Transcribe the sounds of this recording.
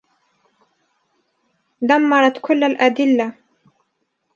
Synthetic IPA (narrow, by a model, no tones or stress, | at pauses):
d̪amːɑɾˤɑt̪kʊlːalʔad̪ɪlːa